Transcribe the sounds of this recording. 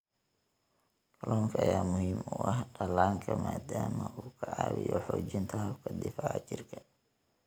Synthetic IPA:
kʰɐlɔːŋkʰɐɐjaːmʊhimʊʔɐhɖɐlaːŋkʰɐmaːd̪aːmɐʔuːkʰɐʕɑːβɪ̰jɔħɔːt͡ʃɪnt̪ʰɐɦɐbkʰɐd̪ɪfaʕat͡ʃɪrkʰɐ̥

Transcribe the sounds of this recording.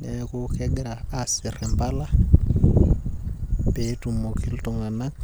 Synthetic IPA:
nekukeɡɾaːsiɾɛmbala | petumokʰiltoŋanaŋ

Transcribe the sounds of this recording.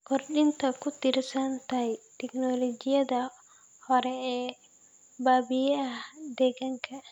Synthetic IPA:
kɔɾɗint̪akut̪iɾsant̪ajt̪ɛknɔlɔd͡ʒijad̪a | hɔɾɛɛ | baːbijɛad̪ɛɡaŋkʰa

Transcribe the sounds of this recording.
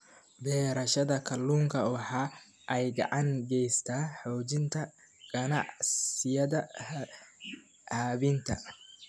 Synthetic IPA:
bɛːɾɐʃɐðɐkʰɐlːuːŋkʰɐɔːħɑː | ʔɛjɡɑ̰ʕɑŋɡɛjst̪ʰaːħɔːt͡ʃɪnt̪ʰɐ | ɡ̥ɐnɑʕssɪjɐðɐ | haβint̪ʰɐ

